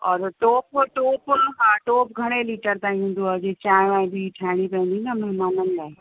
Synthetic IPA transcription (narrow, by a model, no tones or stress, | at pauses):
ɔːɾʈoːpʈoːpɦaʈoːpɡʱɐɽ̃eliːʈəɾt̪ãɦũːnd̪oaːd͡ʑet͡ɕaːj̃aːẽbʱiʈʰaːɪɽ̃ipɐ̃nd̪inɐmɐɦmaːnənlaːe